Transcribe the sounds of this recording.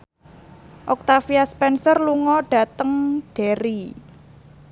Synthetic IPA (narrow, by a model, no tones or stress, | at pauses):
ʔɔk̚t̪afiaspɛnsɔrluŋɔɖ̥ä̤t̪əŋɖ̥e̤ɾi